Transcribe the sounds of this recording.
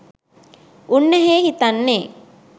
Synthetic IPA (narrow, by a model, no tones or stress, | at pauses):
ʔunːɐɦeːhit̪anːe